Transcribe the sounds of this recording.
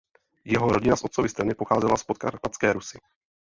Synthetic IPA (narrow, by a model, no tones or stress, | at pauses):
jɛɦo̞ɾo̞ɟɪnasʔo̞t̪sovɪst̪anɪpoxaːzɛlaspot̪̚ka̰ɾpat͡skɛːɾusɪ